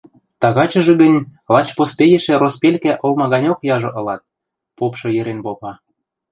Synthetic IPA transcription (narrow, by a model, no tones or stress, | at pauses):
t̪ɑɣɑt͡ɕɤ̆ʒĕɡə̆nʲlɑt͡ɕpospejĕʃĕrospʲelʲkæʔolmɑɣɑnʲokjɑʒɤ̆ʔɤ̆lɑt̪̚ | popʃɤ̆jĕɾenpopɑ